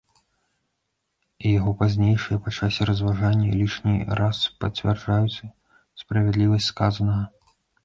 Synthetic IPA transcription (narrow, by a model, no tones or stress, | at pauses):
ijaɣɔpazʲnʲejʂɨjɐpat͡ʂasʲɛɾɐzvaʐanʲːɐlʲiʂnʲḭraspɐt͡sʲvʲɛrd͡ʐajut͡sʲ | spɾɐvʲɛd̪lʲivɐsʲtʲskazɐnɐɣɐ